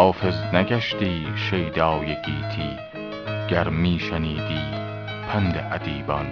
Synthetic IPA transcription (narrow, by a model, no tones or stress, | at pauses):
ɔːfɪznaɡaʃt̪iːʃejd̪ɑːwjekiːt̪ʰiː | ɡ̥aɾmiːʃɐniːd̪iː | pʰɐnd̪eʔɐd̪iːbɑn